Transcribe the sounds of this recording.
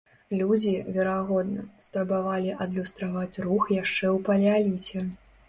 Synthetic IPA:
lʲud͡zʲivʲɛɾaɣɔd̪nɐspɾɐbavalʲiʔɐd̪lʲust̪ɾavat͡sʲruxjaʂt͡ʂɛwpɐlʲalʲit͡sʲɛ

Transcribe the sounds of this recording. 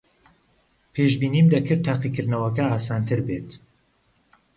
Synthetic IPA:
pʰeːʃbiːnimd̪ɐkʰɨɾt̪ʰːaːqikɨɾd̪nɐwɐkɐaːsaːnt̪ʰɨɾbet̪

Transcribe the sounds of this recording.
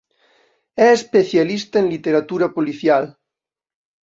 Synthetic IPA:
ɛespeθjalist̪aenlit̪eɾat̪uɾapoliθjal

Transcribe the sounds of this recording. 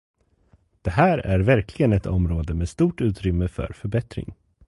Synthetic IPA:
d̪̥ɛɦæːɾæɾvæɾklɪɡənɛt̪ʰɔmɾoːd̪əmeːd̪st̪uːʈʉ̟ːt̪ɾʏmːəfœ̰ɾfœɾbɛt̪ɾɪ̰ŋ

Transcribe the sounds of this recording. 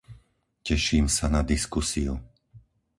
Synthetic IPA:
cɛʃiːmsanad̪iskusiṵ

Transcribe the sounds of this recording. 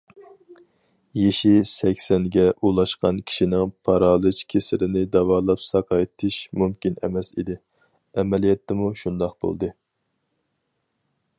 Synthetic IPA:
jeʃisɛkʲsɛnɡʲɛʔulˠɑʃqɑnkʲʰi̥ʃinɪŋpʰɑɾɑːlˠɨt͡ʃkʲʰesɪɾɪnɪd̪ɑwɑːlˠɑpsɑqʰɑt̪ʰɪʃmumkʲinɛ̰mɛsḭd̪ɪ | ɛmɛlijɛt̪ʰːɪmuʃund̪ɑq̚b̥o̰lˠd̪ɨ

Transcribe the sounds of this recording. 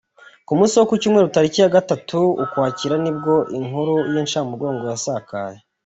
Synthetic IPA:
kumuːsiwokucuːmŋe̞ɾutaɾicijaɡatatʰuukwaːciɾanib̚ɡo̞ʔiŋuɾujeːnʃaːmuɾɡo̞ːŋɡojasaːka̰ːje

